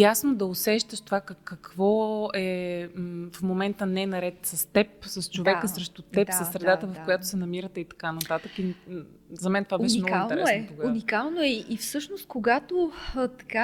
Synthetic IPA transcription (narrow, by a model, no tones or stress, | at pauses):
jasnod̪ɐʊsɛʃt̪əʃt̪ovakəkːɐkvɔɛ | fmomɛnt̪ənɛnɐɾɛt̪sɐst̪ɛpsɐst͡ʃovɛkəsɾɛʃt̪ʊt̪ɛpssɐsːɾɛd̪at̪əvɐfkojat̪ʊ̥sɛnɐmiɾət̪ɛit̪ɐ̥kanɐt̪at̪əki | zɐmɛnt̪ovabɛʃɛmnɡɡilˠt̪ɛnɾɛɛnɛpoɡunikalˠnoɛiʔifsɤʃnost̪̚koɡat̪ot̪ɐ̥ka